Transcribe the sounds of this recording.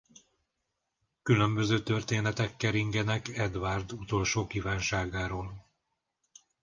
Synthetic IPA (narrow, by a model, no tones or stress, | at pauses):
kylø̞mbø̞zøːt̪ørt̪eːnɛt̪ɛkːɛɾiŋɡɛnɛkɛd̪vaːrd̪ut̪o̞lʃoːkiːvaːnʃaːɡaːɾoːl